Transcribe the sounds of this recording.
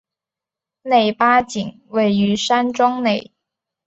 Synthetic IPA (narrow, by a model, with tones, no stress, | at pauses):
ne˨˩ɪpa˥t͡ɕi˨˩˦ŋ | we˥˨˩ɪy˨˥sa˥nʈ͡ʂɔ˥ŋne˨˩ɪ